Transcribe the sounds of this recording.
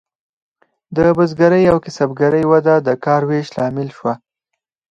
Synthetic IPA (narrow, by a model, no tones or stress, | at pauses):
d̪əbəzɡaɾəjawkɪsabɡaɾəjwad̪ad̪əkɑɾweʃlɑmɪlʃwa